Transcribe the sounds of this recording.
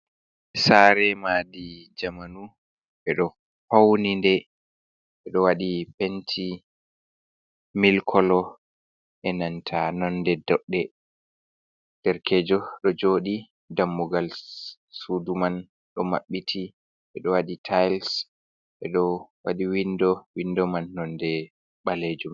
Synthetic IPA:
saɾɛmaːdid͡ʒamanu | ɓɛɗɔ | pawnindɛ | ɓɛɗɔwaɗipentʰi | milkʰɔlɔ | ʔɛnantʰanɔndɛdɔɗːɛ | d̥ɛɾkɛːd͡ʒɔɗɔd͡ʒoɗi | damːuɡal | suduman | ɗɔma̰ɓːitʰi | ʔɛɗɔwaɗitʰajls | ʔɛɗɔwa̰ɗiwindɔwindɔmanːɔndɛ | ɓaled͡ʒum

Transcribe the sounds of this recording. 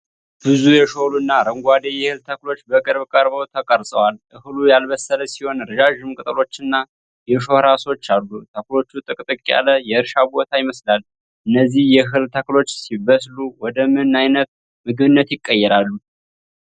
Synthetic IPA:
b̥ɨzujɛʃoluɨnːaɾəŋɡʷad̪ejɛhɨlt̪ʰəklo̞t͡ʃːbəkʼɨɾβkʼəɾβəwt̪ʰəkʼəɾsʼəwalʔɨhlujalβəsːələsiho̞nɾɨʒaʒɨmkʼɨt̪ʼəlo̞t͡ʃːɨnːa | jɛʃo̞hɾaso̞t͡ʃːalːut̪ʰəklo̞t͡ʃːut̪ʼɨkʼt̪ʼɨkʼːa̰ləjɛɨɾʃabo̞t̪ʰajɪməslal | ʔɨnːəzːihjɛɦɨlt̪ʰəklo̞t͡ʃːsiβəsluwɔd̪əmɨnajnət̪̚ | mɨɡβɨnːət̪jɪkʼːəjːɛɾalːu

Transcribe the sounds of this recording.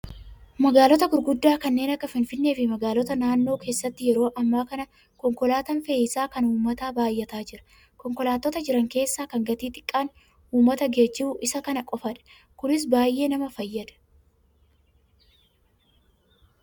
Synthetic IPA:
mɐɡaːlɔt̪ɐɡʊɾɡʊd̪ːaːkɐnːe̞ːnɐkːɐfɪnfɪnːe̞ːfɪmɐɡaːlɔt̪ɐnaːnːo̞ːke̞ːsːɐt̪ːɪjɛɾo̞ːʔɐmːaːkɐnɐ | kɔŋkɔlaːt̪ɐnfeːɪsaːkɐnuːmɐt̪aːbaːjːɐt̪aːd͡ʒɪɾɐ̥ | kɔŋkɔlaːt̪ːɔt̪ɐd͡ʒɪɾɐŋke̞ːsːaːkɐŋɡɐt̪iːt̪ɪ̥kʼːaːn | uːmːɐt̪ɐɡeːd͡ʒːɪbʊʔɪsɐkɐnɐkʼɔfɐᶑɐ̥ | kʊnɪs̬baːjʔːe̞ːnɐmɐfɐjːɐd̪ɐ̥

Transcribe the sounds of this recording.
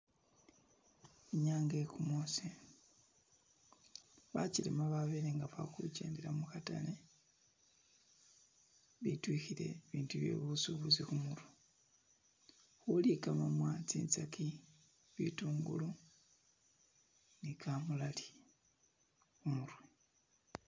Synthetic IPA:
iɲaːŋɡekumosi | βacilimaβaβeɾeŋɡaβakṵɟḛːndeɾamuxata̰le | βitwixiɾe̞̰βiːntuβje̞̰βusuβuzixumuɾu | xulikamamwat͡siːnt͡sakʰi | βituːŋɡṵlu | nikʰamulali | xumuɾwe

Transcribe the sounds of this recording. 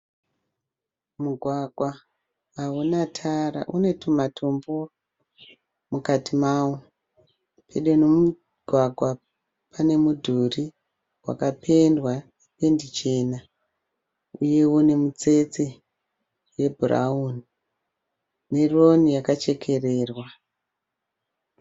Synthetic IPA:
muɡʱwaɡʱwaː | unatʰaɾa̰ʔune̞tʰumatʰo̞mbo̞ | mukatimaːwo | pʰe̞ɗenomu | ɡʱwaɡʱwa | pane̞mudʱuri | wa̰kapʰe̞ndwanepe̞ndit͡ʃe̞na | uje̞wone̞mut͡se̞t͡se | je̞bʱura̰uni | ne̞ronijakat͡ʃe̞kʰe̞re̞ːrwa

